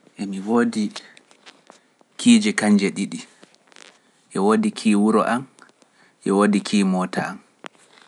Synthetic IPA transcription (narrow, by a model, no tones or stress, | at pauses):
ʔɛmiwoːdi | kʰiːd͡ʒɛkaɲd͡ʒɛɗiɗi | ʔɛwodikʰiːwuɾɔ̰ʔam | ʔɛwoːdikʰiːmɔːta̰am